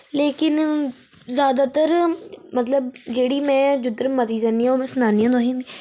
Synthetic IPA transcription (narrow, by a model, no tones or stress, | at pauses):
leːkɪn | zjaːd̪aːt̪əɾmət̪ləbd͡ʒeːɽiːmɛ̃ːd͡ʒʊd̪əɾmət̪iːzãːniːãoːmɛ̃ːsənaːnijãːd̪oːɦĩːnd̪iː